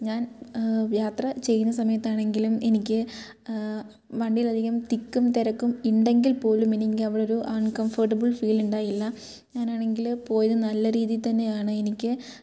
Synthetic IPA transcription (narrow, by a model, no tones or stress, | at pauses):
ɲaːnjaːt̪rɐt͡ɕe̞jːunːɐsɐmɐjɐt̪ːaːɳe̞ŋɡilume̞nikʲːɨ | ʋɐɳɖijilɐd̪ʱiɣɐmt̪ikːumt̪iɾɐkːumiɳɖe̞ŋɡilpo̞ːlume̞nikʲːɨɐʋiɽeo̞ɾuʔɐnkɐmfɐrʈɐbɨlfiːluɳɖaːjilːɐ | ɲaːnaːɳe̞ŋɡilpo̞ːjɐðɨnɐlːɐɾiːðit̪ɐnːe̞jaːɳɨe̞nikʲːɨ